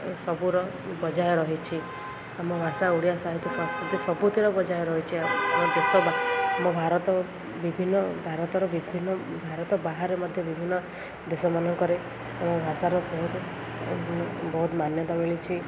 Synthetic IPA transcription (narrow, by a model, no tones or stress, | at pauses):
sɔbuɾɔ | bɔd͡ʒajɔɾɔɦit͡ʃʰi | amɔbʱasauɽijasaɦit̪ɔsɔ̃skɾut̪isɔbut̪ʰiɾɔbɔd͡ʒajɔɾɔɦit͡ʃʰiaamɔd̪esɔbaamɔbʱaɾɔt̪ɔ | bibʱinːɔbʱaɾɔt̪ɔɾɔbibʱinːɔbʱaɾɔt̪ɔbaɦaɾemɔd̪ʱjɔbibʱinːɔ | d̪esɔmanɔŋkɔɾe | abɔ̃bʱasaɾɔbɔɦut̪ | bɔɦut̪manjɔt̪ameɭit͡ʃʰi